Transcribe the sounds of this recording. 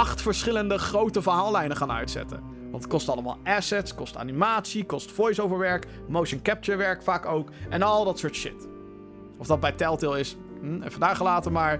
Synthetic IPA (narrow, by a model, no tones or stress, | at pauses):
ɑχtfəɹsχɪləndəχrowtəvəɹɦaːlˠlɛjnəχaːnœ̰ɥtsɛ̰tə̰ | ʋɑntət̚kɔstɑləma̰ːlˠaːsɛtskɔsta̰ːnimaːtsikɔstfɔjsowvəɹʋɛɹk | mowʃənkɛp̚t͡ʃəɹʋɛɹkfaːkowkɛnɑlˠdɑtsʊːɹtʃɪ̰t | ɔfdɑd̚bɛjtɛlˠtɪlˠɪs | ɦ̩ɛ̰fədaːɹχəlaːtəmaːɹ